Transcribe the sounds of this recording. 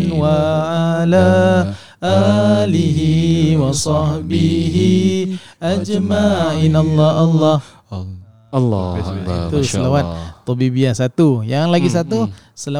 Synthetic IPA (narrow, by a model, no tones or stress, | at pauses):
nwaʕala | ʔaliɦiwɑsɑhbiɦiʔad͡ʒmaʔinalːɔʔalːɑh | lːsit̪usəlawat̪̚t̪ɔbibiasat̪ujaŋlaɡisat̪usəla